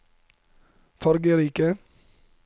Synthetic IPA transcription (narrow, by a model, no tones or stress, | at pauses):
fɔɾɡəɾiːkə